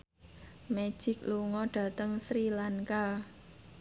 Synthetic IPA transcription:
med̥ʒ̥ɪ̤k̚luŋɔɖ̥ä̤t̪əŋsɾilaŋka

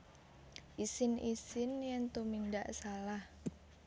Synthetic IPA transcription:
ʔisɪnisɪnjɛŋt̪umindaʔsalah

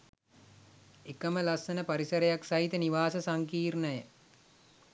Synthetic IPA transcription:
ekəməlasənəpaɾisəɾejaksɐɦit̪əniʋaːsəsaŋkiːrnəjə

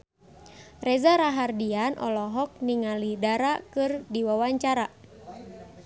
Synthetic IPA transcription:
rɛzaɾaɦardianʔɔ̰lɔɦɔk̚niŋalidaɾakɨrdiwawaɲt͡ʃaɾa

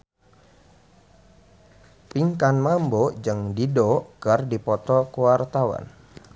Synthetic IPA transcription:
piŋkanmambod͡ʒəŋdidɔkərdipɔt̪ɔkuwart̪awa̰n

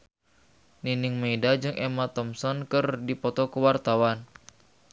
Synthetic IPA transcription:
niniŋmedad͡ʒɨŋʔɛmat̪ɔmsɔnkɨrdipɔt̪ɔkəwart̪awan

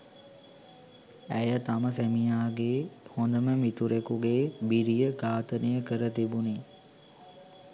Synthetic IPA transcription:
æjət̪aməsæmijaːɡeːhond̪əməmit̪uɾekuɡeːbiɾijəɡaːt̪ənijəkəɾət̪ibuni

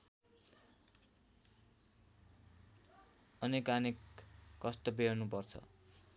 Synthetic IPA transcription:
ʌnekanikːʌst̪ʌbeonupʌrt͡sʰʌ̰

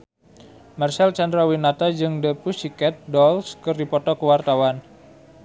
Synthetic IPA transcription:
marsɛlt͡ʃandɾawinat̪ad͡ʒɨŋdəpusikɛt̪̚dɔlskɨrdipɔt̪ɔkəwart̪awan

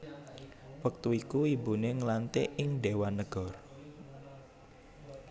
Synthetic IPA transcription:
wək̚t̪uikuibuneŋəlant̪eʔɪŋɖewanəɡ̥ɔr

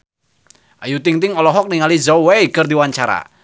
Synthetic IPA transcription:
ʔajut̪iŋt̪ɪŋɔlɔɦɔk̚niŋalizɔweikərd̪iwaɲt͡ʃaɾa̰

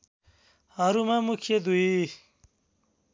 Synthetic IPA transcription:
haɾumamukʰed̪ui

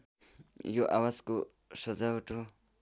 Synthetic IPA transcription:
joʔawasko | sɔd͡ʒauʈʰo

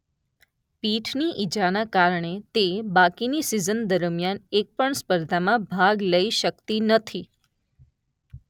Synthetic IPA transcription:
piʈʰniʔid͡ʒanakaɾɳet̪ebakinisizənd̪əɾmjanek̚pəɳspəɾd̪ʱamãbʱaɡləiʃəkt̪inət̪ʰi

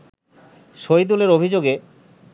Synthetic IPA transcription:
ʃojd̪uleɾobʱid͡ʑoɡe

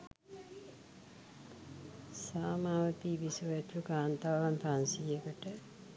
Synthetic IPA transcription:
saːmaːʋət̪iʋisuʋt̪lukaːnt̪aːʋanpansijəkəʈə

